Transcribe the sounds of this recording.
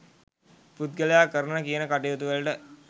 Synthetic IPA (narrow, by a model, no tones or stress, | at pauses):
put̪̚ɡəlejakəɾənnəkijənəkaʈijot̪uʋelʈə